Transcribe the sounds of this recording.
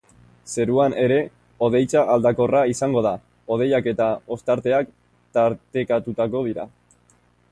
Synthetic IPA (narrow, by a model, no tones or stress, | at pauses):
se̞ɾuanʔe̞ɾe̞ | o̞ð̞e̞jt͡saʔald̪ako̞raisaŋɡo̞ð̞a | o̞ð̞e̞jake̞t̪ao̞st̪aɾt̪e̞ak | t̪aɾt̪ekat̪ut̪ako̞ð̞iɾa̰